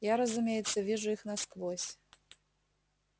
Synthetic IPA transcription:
jaɾɐzumʲejɛt̪sːɐvʲiʐuixnɐsklˠɔsʲ

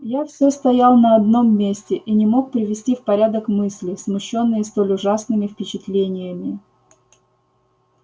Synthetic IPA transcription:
jafsʲɵst̪ɐjalˠnəɐd̪no̞mːʲesʲtʲɪʔinʲɪmo̞k̚pɾʲɪvʲɪsʲtʲifpɐɾʲad̪əkmɨsʲlʲɪsmʊɕːo̞nːɨjəst̪o̞lʲʊʐasnɨmʲɪfpʲɪt͡ɕɪt̪lʲenʲɪjəmʲɪ

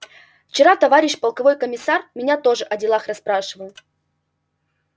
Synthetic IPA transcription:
ft͡ɕɪɾat̪ɐvaɾʲɪɕpəlˠkɐvo̞jkəmʲɪsarmʲɪnʲat̪o̞ʐɨʔɐdʲɪlˠaxrɐspɾaʂɨvəlˠ

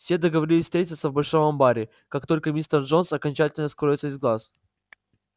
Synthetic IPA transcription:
fsʲe̞d̪əɡəvɐɾʲilʲɪsʲt̪ɾʲet̪ʲɪt̪səvbɐlʲʂo̞mɐmbaɾʲɪ | kakt̪o̞lʲkəmʲist̪ərdʐo̞nsɐkɐnʲt͡ɕætʲɪlʲnəskɾo̞ɪt̪səɪzɡlˠas

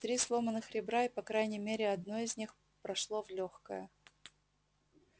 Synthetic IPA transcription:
t̪ɾʲislˠo̞mənːɨxɾʲɪbɾaipɐkɾajnʲɪjmʲeɾʲɪɐd̪no̞ɪzʲnʲix | pɾɐʂlˠo̞vlʲoxkəjə

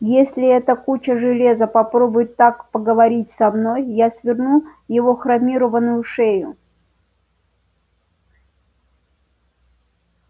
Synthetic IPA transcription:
jesʲlʲɪɛt̪əkut͡ɕəʐɨlʲe̞zəpɐpɾobʊjɪt̪ːakpəɡəvɐɾʲitʲsɐmnojjasvʲɪrnujɪvo̞xɾɐmʲiɾəvənːʊjʊʂejʊ

